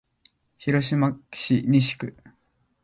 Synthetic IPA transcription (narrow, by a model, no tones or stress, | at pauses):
çiɾo̞ɕ̬imḁɕiɲʲiɕi̥kɯ̟